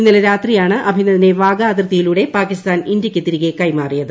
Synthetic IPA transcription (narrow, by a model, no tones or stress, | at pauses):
inːilɐɾaːt̪rijaːɳɨʔɐbʱinːɐðine̞ʋaːɡaːd̪rɐt̪ːijiluːɽe̞paːkist̪aːnind̪jɐkʲːɨt̪iɾiɣekɐjmaːrijɐðɨ